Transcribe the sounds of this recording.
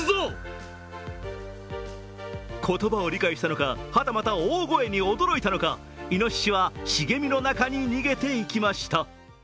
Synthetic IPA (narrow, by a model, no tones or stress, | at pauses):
zo | kʰo̞t̪o̞bao̞ɾʲikaiɕi̥t̪ano̞kahat̪amat̪aoːɡo̞e̞ɲ̟io̞d̪o̞ɾo̞it̪ano̞ka | ino̞ɕi̥ɕiβaɕiɡe̞mʲino̞nakaɲ̟iɲ̟iɡe̞t̪e̞ikʲimaɕi̥t̪a